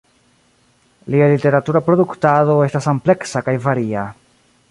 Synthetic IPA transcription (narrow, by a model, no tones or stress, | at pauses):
lialite̞ɾatuɾapɾo̞d̪uktado̞e̞stasample̞ksakajvaɾia